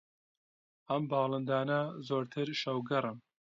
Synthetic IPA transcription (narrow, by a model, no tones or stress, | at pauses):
ɐmbɑːlˠɨnd̪aːnɐzoːɾt̪ʰɨɾʃɐwɡɨɾɨm